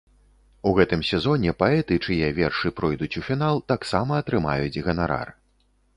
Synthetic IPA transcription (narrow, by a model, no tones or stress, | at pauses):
uɣɛt̪ɨmsʲɛzɔnʲɛpaɛt̪ɨt͡ʂɨjɛvʲɛrʂɨpɾɔjd̪ut͡sʲufʲin̪alˠt̪aksamɐːt̪ɾɨma̰jut͡sʲɣɐnaɾa̰r